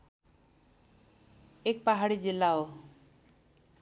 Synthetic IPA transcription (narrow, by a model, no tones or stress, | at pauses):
ek̚paɦaɽid͡ʒilːao